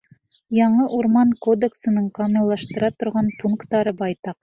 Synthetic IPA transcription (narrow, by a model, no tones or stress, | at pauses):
jɑɴɤʔuɾmɑnkod̪eksɤ̆nɤɴqomɪlˠːɑʃt̪ɤ̆ɾɑt̪ŏɾʁɑnpuŋkt̪ːɑɾɤbɑjt̪ɑq